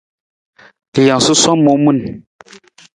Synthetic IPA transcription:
ja˨su˦sɔ˦mo˨˦mu˦˨n

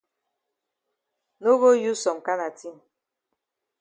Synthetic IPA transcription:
no˦ɣo˦ju˦sɔ˨m˨ka˦na˨ti˦m˨

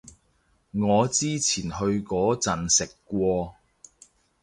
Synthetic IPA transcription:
ŋɔː˨˧t͡siː˥t͡sʰiː˨˩nhɵ˧ɥkɔː˨˥t͡sɐ˨nsɪ˨kːʷɔː˧

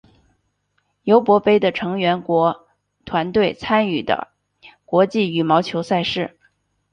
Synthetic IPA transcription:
jo˧˥ʊpwɔ˧˥pe˥ɪd̪ə˨ʈ͡ʂʰɤ˧˥ŋɥɛ˧˥nkwɔ˧˥ | t̪ʰwa˧˥nt̪we˥˩ɪt͡sʰa˥ny˥˩d̪ə̰˩ | kwɔ˧˥t͡ɕi˥˩y˨˩mɑ˧˥ʊt͡ɕʰjo˧˥ʊsa˥˧ɪʂɻ̩˥˩

